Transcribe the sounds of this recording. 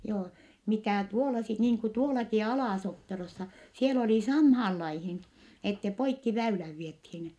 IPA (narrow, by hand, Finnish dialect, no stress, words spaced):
joː mitæˑ tuolɑ sit niːŋ ku tuolɑki ɑlɑˑsopːerosːɑ siel oliˑ sɑmhɑːl lɑihin etːe poikːi ʋæylæʋ ʋiethiːn